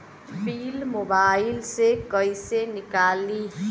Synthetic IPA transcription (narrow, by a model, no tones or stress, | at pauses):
pʰilmobailsekʌjsenikali